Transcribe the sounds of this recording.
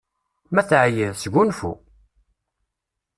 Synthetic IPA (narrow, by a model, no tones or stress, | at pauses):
mæθʕjəðsɡʷunfṵ